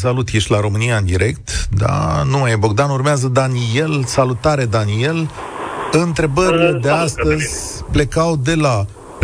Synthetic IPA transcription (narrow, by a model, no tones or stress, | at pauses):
s̬alut̪jeʃʲlaɾo̞mɨnijaɨnd̪iɾe̞kt̪d̪a̰numajebo̞ɡd̪anurmeazəd̪anie̞lsalut̪aɾe̞d̪anie̞l | ɨnt̪ɾe̞bəɾile̞d̪east̪əzʲple̞kawd̪e̞la | p